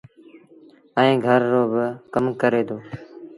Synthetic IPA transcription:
əĩːɡʱəɾːoːbəkəmkəɾeːd̪oː

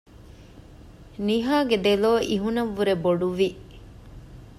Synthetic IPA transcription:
niɦaːɡed̪eloːʔiɦunɐʋːuɾeboɖuʋi

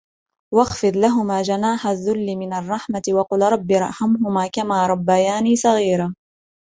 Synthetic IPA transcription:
wɑɣfɨðˤlaɦʊmaːd͡ʒanaːħaðːʊlːɪmɪnarˤːɑħmat̪ɪwɑqʊlɾˤɑbːiɾˤɑ̰ħamɦʊmaːkamaːɾˤɑbːajaːniːsˤɑɣiːɾaː

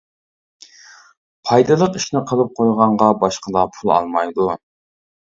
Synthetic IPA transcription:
pʰɑjd̪ɨlˠəqiʃnɪqʰəlˠɨp̚qʰojʁɑɴʁɑbɑʃqəd̪ɑpʰulˠɑ̰lˠmɑjd̪u

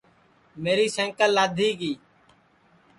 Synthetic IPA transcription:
meːɾiːsɛ̃ːŋkəlːaːd̪ʱiːɡiː

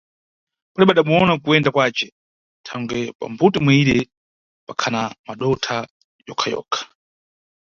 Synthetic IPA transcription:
kalɛɓaɗamuɔnakuɛndakwaːt͡ʃɛ | tʰaŋɡwɛpa̰mbutimwaiɾɛ | pakʰanamaɗɔtʰa | jɔkʰajɔ̰ːkʰḁ

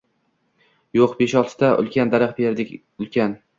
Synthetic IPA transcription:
joqbe̞ʃɒlˠt̪ʰɪ̥d̪aʔʊ̰lˠkʲʰand̪aɾaqbeɾd̪ɪkʲ | ʊlˠkʲʰan

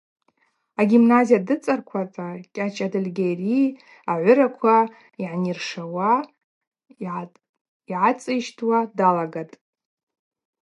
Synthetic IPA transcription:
aɡʲimnazijadɨt͡sʼarkʷʰat͡sʼakʲʼat͡ʃʰʼadalɡʲeri | aʕʷʊɾakʷʰa | iʕnirʂawa | iʕat͡sʼɨʃtʰwadalaɡatʼ

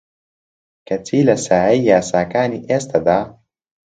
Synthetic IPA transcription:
kɐt͡siːlɐsaːɐjjaːsaːkaːniʔest̪ɐd̪a

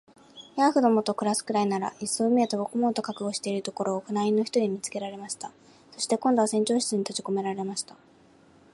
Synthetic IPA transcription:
jaɸɯ̟d̪o̞mo̞t̪o̞kɯ̟ɾasɨ̥kɯ̟ɾainaɾa̰ʔisːo̞mʲiet̪obo̞kɯmo̞t̪o̞kakɯ̟ɡo̞ɕi̥t̪e̞iɾɯ̟t̪o̞ko̞ɾo̞ːkɯ̟naĩnːo̞çi̥t̪o̞ɲ̟ʲimʲit͡sɨ̥ke̞ɾaɾe̞maɕi̥t̪a | so̞ɕi̥t̪e̞kõ̞nd̪o̞asẽ̞ɲ̟t͡ɕoːɕi̥t͡sɨɲ̟it̪ot͡ɕiko̞me̞ɾaɾe̞maɕi̥t̪a

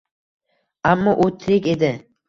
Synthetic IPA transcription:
amːɒʔot̪ʰɾɪkʲed̪ɪ

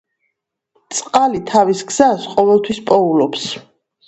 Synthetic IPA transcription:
t̪sʼqʼalit̪ʰavisɡz̥asqʼɔvɛlˠt̪ʰwispʼɔulɔps

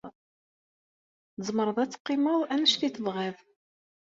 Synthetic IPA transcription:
zˤməɾˤəðˤæt͡sːqːɪməðˤænəʃθiθəvʁæð

